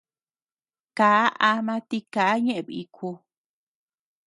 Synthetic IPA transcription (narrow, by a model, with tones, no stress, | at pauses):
kaː˨˦ʔa˧mã˧t̪i˧kaː˨˦ɲẽ˦ʔẽ˨βḭ˧kʰu˧